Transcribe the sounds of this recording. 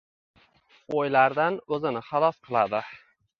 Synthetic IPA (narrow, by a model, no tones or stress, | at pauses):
ojlaɾd̪anɵzɪnɪχɑlˠɒsqʰɨlˠad̪ɪ